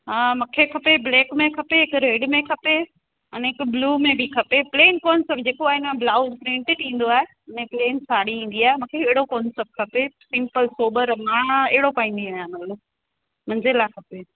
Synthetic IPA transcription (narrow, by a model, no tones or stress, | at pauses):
amũkʰekʰɐpebleːkmẽkʰɐpeɦɪkɾeːɖmẽkʰɐpe | ɐneːkbluːmẽbʱikʰɐpepleːnkɔːnsepd͡ʑeːkoaːɦɪnmẽblaːʊzpɾẽːɳʈeʈĩːn̆d̪oaːɦe | ɐnẽpleːnsʰaːɽiɦĩːn̆d̪iaːemũːkʰeeɦɪɽokɔːnsep̚ʈ̚kʰɐpesɪ̃mpəlsoːbəɾmãːeɦɪɽopaːĩːnd̪iaːɦjãmɐt̪ləb | mɐ̃ɲd͡ʑelakʰɐpe